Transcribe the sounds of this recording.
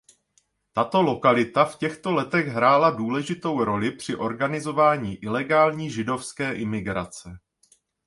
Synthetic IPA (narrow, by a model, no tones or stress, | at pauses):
t̪at̪o̞lo̞kalɪt̪afcɛxt̪o̞lɛt̪ɛɣɦɾaːladuːlɛʒɪt̪o̞wɾo̞lɪpr̝̥ɪʔo̞ɾɡanɪzo̞vaːɲiːʔɪlɛɡaːlɲiːʒɪdo̞fskɛːʔɪmɪɡɾa̰t͡sɛ